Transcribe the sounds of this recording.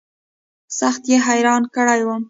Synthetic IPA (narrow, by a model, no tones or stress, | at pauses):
saxt̪jeɦajɾɑnkəɽajwəm